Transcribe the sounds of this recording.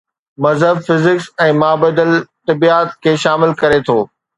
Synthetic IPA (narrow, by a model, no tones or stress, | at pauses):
mɐzɦəb̚fɪzɪksɛ̃ːmaːbəd̪əlt̪ɐbiːaːt̪̚kʰeːʃaːmɪlkɐɾet̪ʰoː